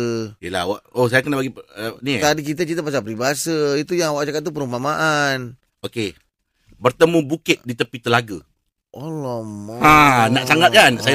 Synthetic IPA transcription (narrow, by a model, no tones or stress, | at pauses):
iəla̰waʔosajakənabaɡiənit̪adikit̪̬ət͡ʃit̪̬əp̬as̬apəɾibaasəit̪ujaŋawaʔd͡ʒakat̪̚t̪upəɾumamaʔan | oke | bərt̪əmũbukɪt̪̚dit̪əpit̪əlaɡə | ʔolɔmɔanaʔsaŋat̪anaʔsaj